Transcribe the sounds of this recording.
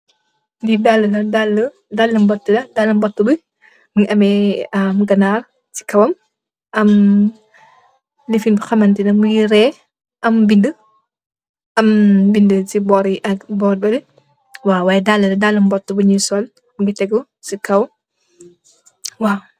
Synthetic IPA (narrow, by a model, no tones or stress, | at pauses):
didalːəlɐdalːə | dalːəmbɔtːəlɐdalːɐmbɔtːubu | muŋiʔɐmɛɐmɡɐnar | ti̥kɐwɐm | ʔɐm | lifinbuxɐmɐntinɐmujiɾɛ | ɐmbində | ɐmbindətibɔɾiʔɐɡbɔːɾbɐli | waːwaːjɛdalːəlɐdalːɐmbɔtːubəɲisɔl | muɡitɛɡɔ | sikɐw | waː